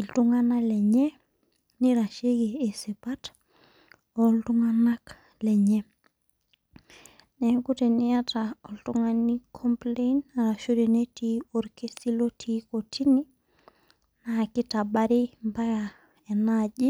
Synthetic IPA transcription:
i˨ltu˦ŋa˦na˦lɛ˨ɲɛ˦ | ni˦ɾa˨ʃe˦ɡiː˨se˨pa˦t | ɔ˨ltu˦ŋa˦na˦k | lɛ˨ɲɛ˦ | nɛ˨ku˦te˨ni˦a˦ta˨ɔ˨ltu˦ŋa˦ni˦kʰɔ˦mple˦ina˨ɾa˨ʃuɾe˨ne˦ti˦ɔ˨ɾke˦si˦lo˦tʰi˦ko˨tʰi˦ni˦ | na˨ki˦ta˨ba˦ɾi˦mba˦ɡa˨ | ɛ˨nad͡ʒi˦

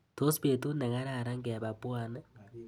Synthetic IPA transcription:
to˦spe˨tu˦ne˨ŋa˦ɾa˨ɾa˦ŋɡɛ˨ba˨pwa˨n˦

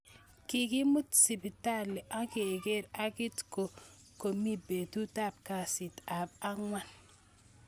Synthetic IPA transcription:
ki˨ɡi˦mu˦tsi˨bi˨ta˦le˨ʔa˦ɡe˨ɡe˦ɾa˦ɡi˦tko˨ | ko˨mi˦be˨tu˦ta˦p̚ka˨si˨ta˨ba˦ŋwa˦n

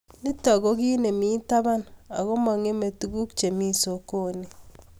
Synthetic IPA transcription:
ni˦ta˨ɣo˦ɣiː˦ne˨mi˦ta˦βa˦na̰˨ɣo˦ma˨ŋe˦me˨tu˨ɣu˦kt͡ʃe˨mi˦so˨ko˦ne˨

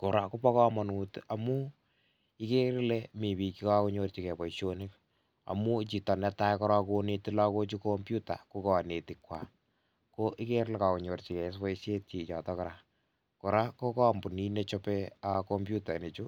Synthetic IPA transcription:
kʊ˨ɾa˦ko˦pɔ˦kɔ˦mɔ˨nu˨ta˨mu˦ | i˦ke˦ɾle˦mi˨pi˨ki˦ka˦ku˦ɲo˦rt͡ʃi˨kɛ˨pɔ˨iʃo˦nɪ˦k | a̰˨mu˦t͡ʃi˨tɔ˨nɛ˦ta˦kɔ˦ɾa˦ku˦ne˦ti˦la˦ko˦t͡ʃu˦ko˦mpju˦ta̰˨ku˦kɔ˨a˨ne˨ti˨kwa̰˨ | ko˦ʔi˦ke˦ɾle˦ka˨ku˨ɲo˨rt͡ʃi˨kɛ˨˦spɔ˦ise˦tt͡ʃi˨t͡ʃɔ˨tɔ˦kɔ˦ɾa˨ | ko˨ɾa˦ko˦kɔ˦mbu˨ni˦ne˦t͡ʃɔ˦pe˦akombju˦ta˨ni˨t͡ʃu˦

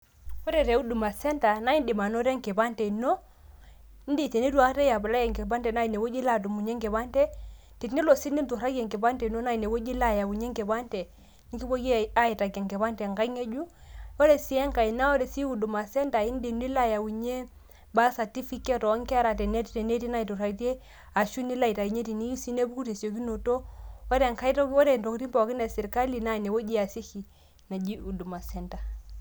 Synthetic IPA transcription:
ɔ˦ɾɛ˨ɾe˨˦u˦du˨ma˨sɛ˦nta˨na˦i˦ndi˨ma˨no˦ɾɛ˦ŋke˨ba˦ntɛ˨i˨no˦ | n˦di˦˨te˨ni˦tu˦a˦tɛ˦ja˨ba˨la˦jɛ˨ŋke˨ba˦ntɛ˨na˦i˨ne˨wo˦d͡ʒi˦la˨d̬u˨mu˨ɲe˦ŋkɛ˨ba˦ntɛ˦ | ti˨tni˦lɔ˨si˦ni˦n˦tu˨ɾa˦ɡɛ˨ŋke˨ba˦ntɛ˨no˦na˦i˨ne˨wo˦d͡ʒi˦la˦ja˨wu˨ɲe˦ŋkɛ˨ba˦ntɛ˨ | ni˦ki˦bo˦ɡe˦a˦i˨ta˨kɛ˨ŋkɛ˨ba˦ntɛ˨ŋɡa˦ŋe˦d͡ʒu˦o˦ɾe˨si˨˦ɛ˦ŋka˨i˨na˦o˦ɾe˨si˦u˨du˨ma˨sɛ˦nta˨i˦n˦de˨n˦i˦la˦ja˨wu˨ɲe˦ | ba˦sa˨ti˦fi˦ke˦tɔ˨˦ŋka˦ɾa˨tɛ˨ne˦tte˨ne˦ti˦na˦i˨to˨ɾa˨˦te˦ | a˨ʃu˦ni˦la˦i˨ta˨i˨ɲe˦ti˨ni˦ju˦si˦ne˦bu˦ku˦te˨si˨o˨ki˦no˨to˦ɔ˦ɾe˨ŋka˦i˦to˦ɾe˨nto˨kɾi˦mpa˨ki˦ne˨si˨ɾka˦li˨na˨ne˨wo˦d͡ʒi˦a˨si˦ki˨ | na˨d͡ʒi˦u˨du˨ma˨sɛ˦˨nta˨

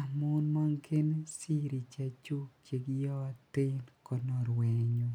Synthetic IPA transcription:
a˨mʊ˦nma˦ŋkʰe˦n˦si˦ɾi˨t͡ʃa˦t͡ʃu˦t͡ʃe˨ɡjɔ˦a˦t̪ɪ˦nkɔ˦nɔ˨ɾwe˨ɲo˦

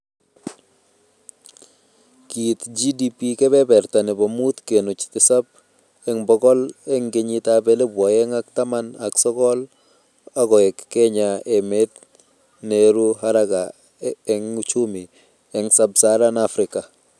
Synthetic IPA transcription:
ki˨t̪d͡ʒi˦di˦pi˦kɛ˦bɛ˦bɛ˨ɾt̪a˨nɪ˨bɔ˨mu˦t̪ke˨no˨t͡ʃt̪ɪ˨sa˦b̚ | ɛ˦ŋbɔ˦ɡɔ˦lɛ˦ŋɡɪ˨ɲi˦tabe˦le˦bwɔ˨jɛ˦ŋa˦kt̪a˦ma˦na˨ksɔ˦kɔ˦l | a˦ɡɔ˨ɛ˨kːɛ˦ɲa˨e˨me˦t̪ | ne˨ɾu˦ɦa˦ɾa˦ɡa˨ | ɛ˦ŋu˦t͡ʃu˦mi˨ | ɛ˦ŋsa˦bsa˦ɾa˦na˦fɾɪ˨ka˨

